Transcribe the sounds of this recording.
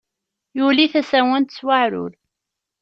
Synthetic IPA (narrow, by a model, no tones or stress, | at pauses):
juliθæsæwænt̪swaʕɾʊ̰l